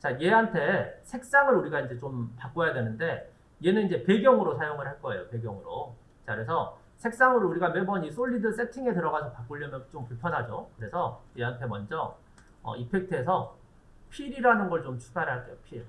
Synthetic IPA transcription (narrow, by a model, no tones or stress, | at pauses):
t͡ɕaje̞ɦantʰe̞sʰe̞k̚s͈aŋɯɾuɾiɡaind͡ʑe̞t͡ɕompak͈ojadwenɯnde̞ | je̞nɯnind͡ʑe̞pe̞ɡjʌŋɯɾosʰajoŋɯɭɦaɭk͈ʌe̞̰jope̞ɡjʌŋɯɾo | t͡ɕakɯɾe̞sʰʌ | sʰe̞k̚s͈aŋɯɾuɾiɡamebʌnis͈oʎːidɯɭs͈etʰiŋe̞tɯɾʌɣasʰʌpak͈oʎːʌmjʌnt͡ɕompuɭpʰjʌnɦad͡ʑokɯɾe̞sʰʌje̞ɦantʰe̞mʌnd͡ʑʌ | ʌ̰ipʰe̞k̚tʰɯesʰʌ | pʰiɾiɾanɯnɡʌɭt͡ɕomt͡ɕʰu̥ɡaɾɦaɭk͈epʰi